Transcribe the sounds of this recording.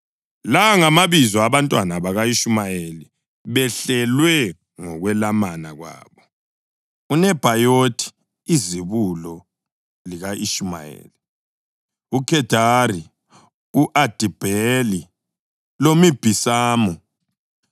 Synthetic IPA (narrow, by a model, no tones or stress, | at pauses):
laŋamaβizɔaβantʼwanaβaɣaiʃumajeli | βɛɬɛlwɛ | ŋɔɣwɛlamanaɣwa̰ːβɔ | unɛb̥ʱajotʼʰi̥ | iziβulɔ | liɣaʔiʃuma̰jḛːli | ukʰɛd̥ʱari | uʔad̥ʱib̥ʱɛli | lomib̥ʱisaːmɔ